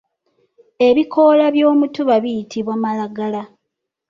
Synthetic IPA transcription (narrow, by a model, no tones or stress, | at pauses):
e̞βikʰo̞laβjo̞ːmutuβaβijitʰiβwamalaɡala